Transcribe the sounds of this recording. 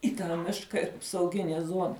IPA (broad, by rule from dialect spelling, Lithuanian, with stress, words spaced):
iː tɑː ˈmʲɪʃkɐ ɪr ɐpsɐʊˈɡʲɪnʲeː ˈzuɔnɐ